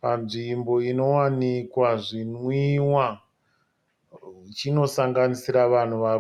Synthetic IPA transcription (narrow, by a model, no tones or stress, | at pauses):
panʐimbo̞ino̞wanikwaʐinwiwa | t͡ʃino̞saŋɡanisiɾaʋan̤uʋaːʋo